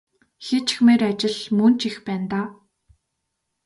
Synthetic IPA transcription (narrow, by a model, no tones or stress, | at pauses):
xet͡ɕxmeːɾat͡ɕɪ̆ɮmɵn̥t͡ɕixpæːnt̪aː